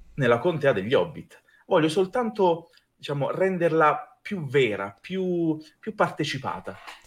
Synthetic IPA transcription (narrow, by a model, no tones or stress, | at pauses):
nelːakont̪ɛad̪eʎːɔbːit̪ | vɔʎːosolt̪ant̪o | d̪it͡ʃaːmo̰rɛnd̪erlapjuvɛːɾa̰pjupːjupːart̪et͡ʃipa̰ːt̪a